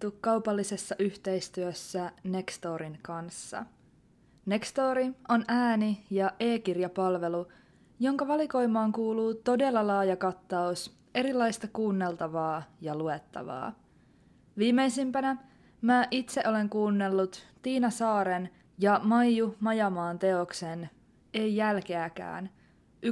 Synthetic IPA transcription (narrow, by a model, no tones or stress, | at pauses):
t̪ukkɑwpɑlːise̞sːɑʔyçt̪e̞jst̪yøsːæne̞kst̪o̞ːɾiŋkɑnsːɑ̰ | ne̞kst̪o̞ːɾiʔo̞næːnijɑʔe̞ːkirjɑpɑlʋe̞lu | jo̞ŋkɑʋɑliko̞jmːɑːŋkuːluːt̪o̞de̞lːɑlɑːjɑkɑt̪ːɑus | ʔe̞ɾilːɑjst̪ɑkuːnːe̞lt̪ɑʋɑːjɑlue̞t̪ːɑ̰ʋɑ̰ː | ʋiːmːe̞jsimpænæ | mæʔit̪se̞ʔo̞le̞ŋkuːnːe̞lːut̪ːiːnɑsɑːɾen | jɑmɑjjumɑjɑmɑːnt̪e̞o̞ksen | e̞jːælk̟e̞ækæ̰ːn | ʔy